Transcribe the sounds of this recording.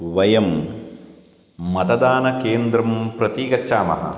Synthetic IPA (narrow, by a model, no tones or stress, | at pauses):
ʋɐjɐm | mɐt̪ɐd̪aːnɐkeːnd̪ɾɐmpɾɐt̪iːɡɐtːʃaːmɐ̰ɦɐ̰